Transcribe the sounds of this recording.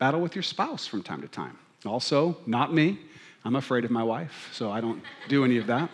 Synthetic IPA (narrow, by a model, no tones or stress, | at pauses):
b̥æɾl̩ˠwɨðjə˞spaʊsfɹʌ̃mtʰãɪ̃mtɨtʰã̰ɪ̃m | ɔlˠsoʊnət̚miãɪ̃məfɹeɪɾʌvmaɪwaɪfsoʊaɪɾõʊ̃nd̥ɨɛniʌvðæt̚